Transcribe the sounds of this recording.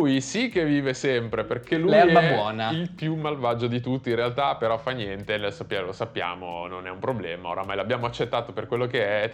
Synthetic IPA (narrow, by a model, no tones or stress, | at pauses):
ujsikevːiːvesɛmpɾeperkeluljaɛbbwɔːnailpjumalvad͡ʒod̪it̪ut̪ːinrealt̪apeɾɔfanjɛnt̪enɛsapːjalosapːja̰ːmo̰nonɛumpɾoblɛ̰ːmao̰ɾamajlabːjaːmoat͡ʃːet̪ːaːt̪operkwelːokeɛ